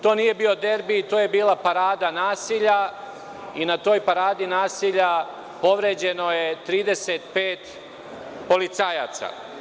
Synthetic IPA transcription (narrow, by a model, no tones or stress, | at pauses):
t̪o̞ːnije̞bio̞d̪e̞ɾbit̪oːje̞biːlˠapaɾaːd̪anaːsiʎa | inat̪o̞ːjpaɾaːd̪inaːsiʎa | po̞ʋɾe̞ːd͡ʑeno̞jet̪ɾiːd̪e̞set̪peːt̪ | po̞lit̪saja̰t̪sa̰